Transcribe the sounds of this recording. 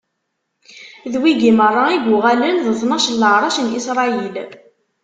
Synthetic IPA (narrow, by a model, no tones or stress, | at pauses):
ðwiɡimərˤːɑiɡʊʁælənðəθˤnɑʃəlːəʕɾˤɑʃnisɾˤɑil